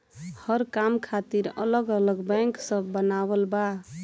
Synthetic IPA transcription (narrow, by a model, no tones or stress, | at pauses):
həɾkamkʰat̪iɾə̰ləɡələɡbɛ̃ŋksəbːənawəlba